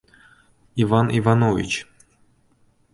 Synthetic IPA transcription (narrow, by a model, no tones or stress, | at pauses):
ivɑnivɑnovʲḭt͡ɕ